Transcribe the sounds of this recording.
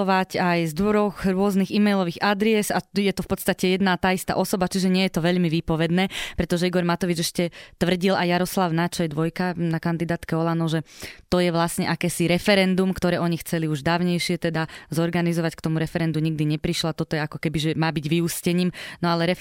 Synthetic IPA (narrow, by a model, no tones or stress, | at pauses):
ɔʋacajzd̪ʋɔɾɔxɾʊɔzniɣimɛjlɔʋiːɣad̪ɾiɛzajɛt̪ɔfpɔt̪st̪acɛjɛd̪naːt̪aːist̪a̰ʔɔsɔbat͡ʃiʒɛɲɪɛjɛt̪ɔʋɛʎmiʋipɔʋɛd̪nɛːpɾɛt̪ɔʒɛiɡɔɾmat̪ɔʋid͡ʒɛʃcɛt̪ʋr̩ɟilajaɾɔslaʊnat͡ʃɔjɛd̪ʋɔjkanakand̪id̪aːt̪kɛɔlanɔʒɛt̪ɔjɛʋlasɲɛ̰ʔakɛːsiɾɛfɛɾɛnd̪umkt̪ɔɾɛːʔɔɲixt͡sɛliuʒd̪aːʊɲɛjʃɪɛt̪ɛd̪azɔɾɡanizɔʋackt̪ɔmuɾɛfɛɾɛnd̪umɲiɡd̪iɲɛpɾiʃlat̪ɔt̪ɔjɛakɔkɛbiʒɛmaːbiɟʋiuscɛɲiːmnɔalɛɾɛ